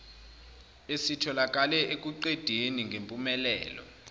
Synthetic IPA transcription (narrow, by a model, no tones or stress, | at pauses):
esitʰɔlak̬ʼalɛʔek̬ʼuǃed̥ʱeniŋɡʱempʼumɛlɛ̰ːlɔ̰